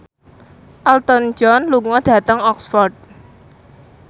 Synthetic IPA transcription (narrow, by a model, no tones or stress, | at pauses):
ʔalt̪ɔnd͡ʒɔnluŋɔd̥ä̤t̪əŋɔksfɔrt̪̚